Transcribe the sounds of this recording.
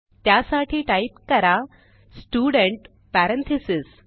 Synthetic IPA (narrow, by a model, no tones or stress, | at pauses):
t̪jasaʈʰiːʈaipkəɾa | sʈuːɽəɳʈ | pæɾənt̪ʰisis